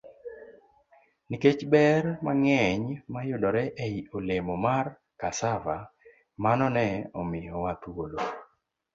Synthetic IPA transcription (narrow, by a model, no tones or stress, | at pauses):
niket͡ʃbɛɾmaŋɛɲmajʊdɔɾɛʔejiolemomar | kasava | manɔnɛɔmɪjɔwat̪wolo